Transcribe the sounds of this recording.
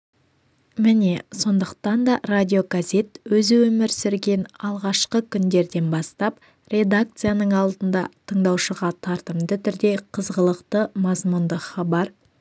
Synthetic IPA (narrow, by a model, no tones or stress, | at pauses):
mɪne̞so̞nd̪əqt̪ɑnd̪ɑradʲio̞ɡazʲe̞t̪wɵzɪwɵmɪɾsɪɾɡʲe̞nɑlˠʁɑʃqəkʲʰʏnd̪e̞ɾd̪e̞nbɑst̪ɑp | rʲe̞d̪ak̚t̪sɨjanəɴɑlˠd̪ənd̪ɑt̪ʰəɴd̪ɑwʃəʁɑt̪ʰɑɾt̪əmd̪ət̪ʰʏɾd̪e̞qʰəzʁəlˠəqt̪əmɑzmund̪əχɑbɑɾ